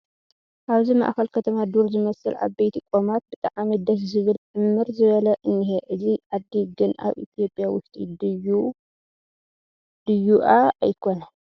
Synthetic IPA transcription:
ʔaβzima̰ʔxɐlkʰɐt̪ʰɐmad̪uɾzɨmɐsɨlʔa̰βbejt̪ʰikʼomat̪̚bɨt̪ʼaʕamid̪ɐszɨβɨlʕɨmːɨɾzɨβɐlɐʔɨnːiheʔɨziʕad̪iɡɨnʔa̰βʔḭt̪ʰijo̞pʼjawʊʃt̪ʼḭd̪ɨju | d̪̥ɨjuʔaa̰jkʰo̞na

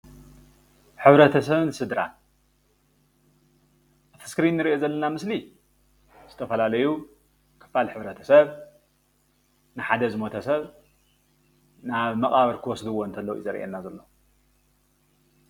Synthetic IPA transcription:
ħɨβɾɐt̪ʰɐsɐβɨnsɨd̪ɾa̰n | ʔafɨskɾinːɨɾiʔo̞zɐlːɐnamɨsli | z̥ɨt̪ʰɐfɐlalɐju | kʰɨ̥falħɨβɾɐt̪ʰɐ̥sɐβ | nɨħad̪ɐzɨmot̪ʰɐsɐβ | naβmɐkʼaβɐɾkʰɨwɔsd̪uwont̪ʰɐlːɐwḭzɐɾʔḛnːazɐlːo

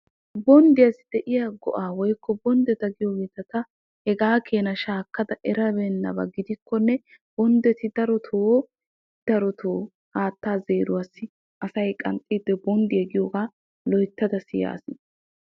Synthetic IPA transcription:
bɔnd̪ɪjɐsɪd̪ɛʔɪjaɡɔ̰ʔaːwɔjkːɔbɔnd̪ɛt̪ɐɡɪjoɡeːt̪ɐt̪ɐ | hɛɡaːkʰeːnɐʃaːkːɐd̪ɐʔɛɾɐbɛnːɐbɐ̰ɡɪd̪ɪkːɔnːɛ | b̥ɔnd̪ɛt̪ɪd̪ɐɾɔt̪ʰoː | d̪̥ɐɾɔt̪ʰoː | haːt̪ːaːze̞ːɾʊwasɪ | ʔɐsɐjkʼɐ̰nt̪ʼiːd̪ːɛbɔnd̪ɪɛɡɪjoːɡaː | lɔjt̪ːɐd̪ɐsɪja̰ːsɪ

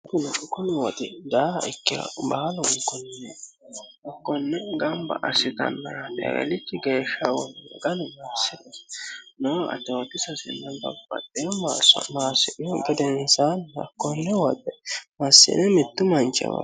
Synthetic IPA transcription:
kʊnkɔkːɔnɛwɔd̪ɛd̪aːɪkːɪɐ̰bɐɐlɔŋkːɔnːɛ | hɐkːɔnːɛɡɐmbɐ̰ʔɐsɪt̪ɐ̰nːɐɾat̪ʼɛ̰ɾɛ̰lɪt͡ʃːɪɡeːʃːɐwɔnn̰ɡɐnʊmɐsːɪd̪ɛsnɛɐ̰t̪oːt̪ːɪsɐsɪ̰nːɐnbɐ̰bʼɐ̰t̪ʼːɪjɔmasmaːsɪʔɔɡɛd̪ɛnsanɐ̰kːɔnːɛwɔd̪ɛmɐsːɪ̰nɛmɪt̪ːʊmɐnt͡ʃʼːɛ̰wɐ̰

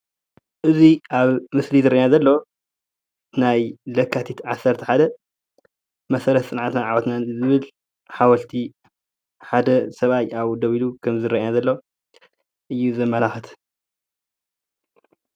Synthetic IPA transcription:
ʔɨziʔaβmɨslizɨɾɐʔjnazɐlːo | najlɐkʰːat̪ʰit̪ʕasːɐɾt̪ʰɐ̥ħad̪ɐ | mɐsɐɾɐt̪sʼɨnʕat̪naʕawɐt̪nazɨβɨl | ħawɐlt̪ʰi | ħad̪ɐsɐβajaβd̪ɐβilukʰɐmzɨɾɐʔnazɐlːo | ʔɨjːuzɐmːɐlaxɨt̪ʰ

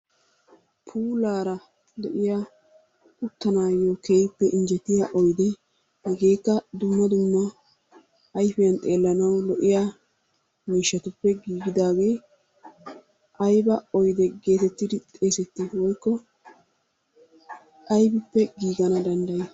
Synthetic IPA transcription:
pʰuːlaːɾɐ | d̪ɛʔɪja | ʊt̪ːɐnaːjokeːjpːɛʔɪnd͡ʒɛt̪ːɪjaʔɔjd̪ɛ | hɛɡe̞ːkːɐd̪ʊmːɐd̪ʊmːɐ | ɐjfɪjɐnt̪ʼe̞ːlːɐnɐwlɔʔɪjaː | miːʃːɐt̪ʊpːɛɡiːɡɪd̪aːɡe̞ː | ʔɐjbɐɔjd̪ɛɡe̞ːt̪ɛt̪ːɪd̪ɪt̪ʼe̞ːsɛt̪ːɪwɔjkːɔ | ʔɐjbɪpːɛɡiːɡɐnɐd̪ɐnd̪ɐjɪ

